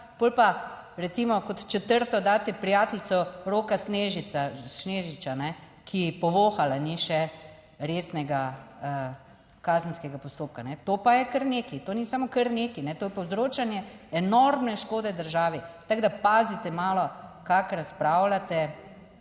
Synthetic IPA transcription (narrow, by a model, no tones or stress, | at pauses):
b̥oːlpa | ɾɛt̪simɔkɔt̪t͡ʃɛt̪əɾt̪ɔd̪aːt̪ɛpɾijaːt̪lt̪sɔɾoːkasneːʒisaneːʒit͡ʃanɛ | kʰipɔʋoːxalaniʃɛ | ɾeːsnɛɡaə | kaːzənskɛɡapɔst̪oːp̚kanɛt̪oːpajɛkəɾneːkit̪onisamokəɾneːkinɛt̪oːjɛpɐwzɾoːt͡ʃanjɛɛnɔɾmnɛʃkoːd̪ɛd̪əɾʒaːʋit̪aɡd̪apaːzit̪ɛmaːlɔkakɾaspɾaːwlat̪ɛ